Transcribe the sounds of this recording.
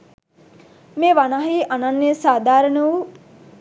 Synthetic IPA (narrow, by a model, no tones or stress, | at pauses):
meːʋanaɦiʔananːesaːd̪ʱaːɾənəʋu